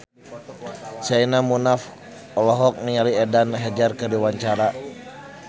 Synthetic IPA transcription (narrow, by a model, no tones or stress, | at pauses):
sainamunaf | ɔlɔɦɔk̚nialiɛdanɦɛd͡ʒarkərdiwaɲt͡ʃaɾa